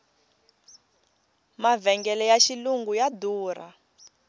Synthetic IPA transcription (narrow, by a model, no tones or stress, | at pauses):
mavɛŋɡɛlɛjaʃiluŋɡujaduːra̰